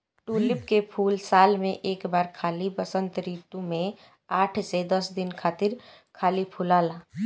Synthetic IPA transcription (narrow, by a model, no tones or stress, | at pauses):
ʈuːlɪpkepʰuːlsaːlmẽʔeːkbaːɾkʰaːlibɐsə̃nt̪ɾiːt̪ũmẽ | aːʈʰsed̪ɐsd̪ɪnkʰaːt̪ɪɾ | kʰaːlipʰʊlaːlaː